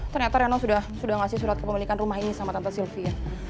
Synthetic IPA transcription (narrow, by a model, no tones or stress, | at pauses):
t̪ərɲat̪aɾɛnosudahsudahŋasɪhsuɾat̪̚kəpəmilikanrumaɦinisamat̪ant̪asilfia